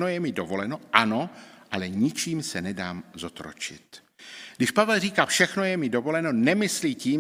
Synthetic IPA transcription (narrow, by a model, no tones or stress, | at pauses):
nojɛmɪdovo̞lɛno̞ʔano̞ʔalɛɲɪt͡ʃiːmsɛnɛdaːmzo̞t̪ɾo̰t͡ʃɪ̰t̪ | ɡdɪʃpavɛlriːkaːfʃɛxnojɛmɪdovo̞lɛno̞nɛmɪsliːciːm